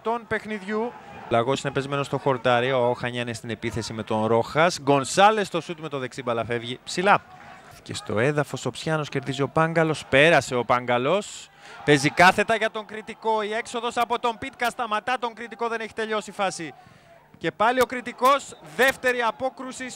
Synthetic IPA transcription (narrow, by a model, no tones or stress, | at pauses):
t̪onpe̞xniðʝu | lɐɣo̞sine̞pe̞zme̞no̞st̪o̞xo̞ɾt̪ɐɾiooxɐɲɐnest̪ine̞piθe̞sime̞t̪o̞nɾo̞xɐsɡo̞nsɐle̞st̪o̞sut̪me̞t̪o̞ðe̞ksibɐlɐfe̞vʝipsilɐ | ce̞̰st̪o̞̰eðɐfo̞so̞psçɐno̞sce̞ɾðizio̞pɐŋɡɐlo̞spe̞ɾɐse̞o̞pɐŋɡɐlo̞s | pe̞zikɐθe̞t̪ɐʝɐt̪o̞ŋkɾit̪iko̞ie̞kso̞ðo̞sɐpo̞t̪o̞mpit̪kɐst̪ɐmɐt̪ɐt̪o̞ŋkɾit̪iko̞ðe̞neçi̥t̪e̞ʎo̞sifɐsi | ce̞pɐlio̞kɾit̪iko̞sðe̞ft̪e̞ɾiɐpo̞kɾusis